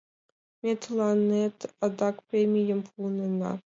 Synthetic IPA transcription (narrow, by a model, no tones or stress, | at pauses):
mʲet̪lˠɑnet̪ɑd̪ɑkpɾʲemʲijə̆mpʰulˠnɤ̆nɑ̰